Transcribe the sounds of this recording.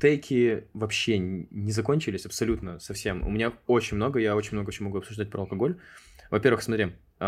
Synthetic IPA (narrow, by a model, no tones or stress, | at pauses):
t̪ɛjkʲʰɪvɐpɕːenʲɪzɐko̞nʲt͡ɕɪlʲɪsʲɐpsɐlʲut̪nəsɐfsʲe̞mʊ̰mʲɪnʲao̞t͡ɕɪnʲmno̞ɡəjao̞t͡ɕɪnʲmnoɡəot͡ɕɪnʲmɐɡuɐpsʊʐd̪at̚ʲpɾəɐlˠkɐɡolʲvɐpʲe̞ɾvɨxsmɐt̪ɾʲi